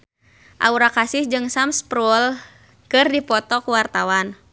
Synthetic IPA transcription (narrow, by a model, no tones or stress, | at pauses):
ʔa̰uɾakasɪhd͡ʒɨŋsamspɾɔl | kɨrdipɔt̪ɔkuwart̪awan